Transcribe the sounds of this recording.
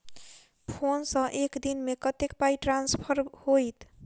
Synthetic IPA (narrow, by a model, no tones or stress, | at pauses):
pʰonsʌ̃ʔekd̪inmekʌt̪ekpajʈɾanspʰʌɾhojt̪